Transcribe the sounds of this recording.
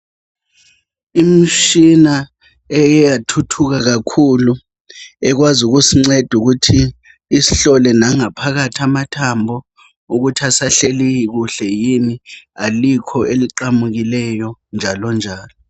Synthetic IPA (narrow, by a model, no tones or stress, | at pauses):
im̩ʃina | ɛjɛjatʰutʰuk̬ak̬akʰulu | ɛk̬wazuk̬usiŋ͡ǀed̥ʱuk̬utʰiː | si̥ɬɔlɛnaŋapʰak̬atʰiamatʰambʱɔ | uk̬utʰasaɬelijik̬uɬɛjinialikʰɔʔeliǃamuk̬ilɛjɔnd͡ʒʱalɔnd͡ʒʱaːlɔ